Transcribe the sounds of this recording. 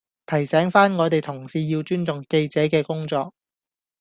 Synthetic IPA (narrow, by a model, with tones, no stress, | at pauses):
t̪ʰɐ˨˩jsɛː˨˥ŋfaː˥nŋɔː˨˧t̪e˨˩jt̪ʰʊ˨˩ŋsiː˧jiː˧wt͡ʃyː˥nt͡sʊ˨˩ŋke˧jt͡sɛː˨˥kɛː˧kʊ˥ŋt͡sɔː˧k̚